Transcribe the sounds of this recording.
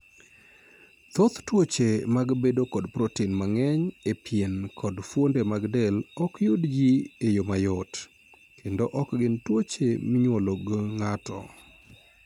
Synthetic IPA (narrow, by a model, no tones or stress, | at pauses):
t̪ot̪twot͡ʃemaɡbedokɔdpɾɔtinmaŋɛɲepjenkʰɔdfwondemaɡdɛlɔkjudd͡ʒiejomajɔt | kʰendoʔɔkɡɪntwot͡ʃemɪɲwoloɡŋatɔ̰